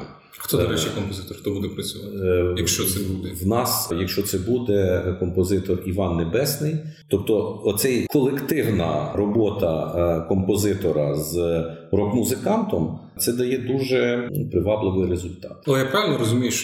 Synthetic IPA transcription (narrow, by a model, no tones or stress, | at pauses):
xt̪ɔɐɾɛt͡ʃikɔmpɔzɪt̪ɔrxt̪ɔbud̪ɛpɾɐt͡sʲʊʋɑjɐkʃt͡ʃɔsɛbud̪ɛwnɑsjɐkʃt͡ʃɔt̪sɛbud̪ɛkɔmpɔzɪt̪ɔriʋɑnːebɛsnɪj | t̪ɔp̚t̪ɔɔsɛjkɔlˠekt̪ɪwnɐrɔbɔt̪ɐkɔmpɔzɪt̪ɔɾɐzrɔkmuzɪkɑnt̪ɔm | t̪sɛd̪ɐjɛd̪uʒɛpɾɪʋɑblˠɪʋɪjɾezʊlʲt̪ɑt̪ɐlˠɛjapɾaʋelʲnɔɾɔzʊmʲijʊʃ